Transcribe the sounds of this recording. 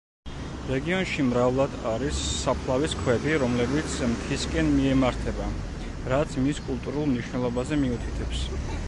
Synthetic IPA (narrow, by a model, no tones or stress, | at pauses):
ɾɛɡiɔnʃimɾavlˠad̪aɾisːapʰlˠaviskʰwɛd̪iɾɔmlɛbit̪sʰmt̪ʰiskʼɛnmiɛmaɾt̪ʰɛba | ɾat̪sʰmiskʼulˠt̪ʼuɾulˠmniʃwnɛlˠɔbazɛmiut̪ʰit̪ʰɛps